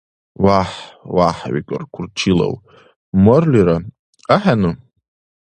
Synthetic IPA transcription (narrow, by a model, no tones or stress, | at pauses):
waħwaħwḭkʼɨ̰rkʷʰʊrt͡ʃʰila̰w | morliɾa | aħanɨ